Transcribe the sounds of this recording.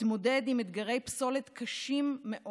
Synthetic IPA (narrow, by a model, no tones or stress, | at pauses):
tmo̞de̞dimed̪ɡaʁe̞jpso̞let̪kʰaʃimːeʔo